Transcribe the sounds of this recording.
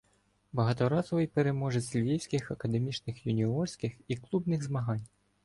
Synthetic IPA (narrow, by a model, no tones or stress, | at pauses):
bɐɦɑt̪ɔɾɑzɔʋɪjpeɾe̞mɔʒɛsʲlʲʋʲiwsʲkʲɪxɐkɐd̪emʲit͡ʃnɪxjʊnʲiɔrsʲkɪxiklˠubnɪɣzmɐɦɑnʲ